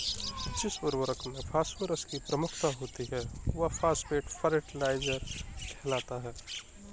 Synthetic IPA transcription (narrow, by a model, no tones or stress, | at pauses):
ətːt͡ʃisbəɾʋəɾəkmepʰaːspəɾəskipɾəmʊkʰt̪aɦoːt̪iɦɛːʋɐpʰaːspeːʈpʰəɾeʈlaːɪd͡ʒəɾkʰɛːlaːt̪aɦɛː